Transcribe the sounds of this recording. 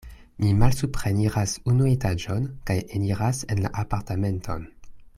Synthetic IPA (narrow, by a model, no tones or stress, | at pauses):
mimalsupχeniʁasunuetad͡ʒonkajeniʁase̞nla̰ʔapaɾtame̞ntʰo̰n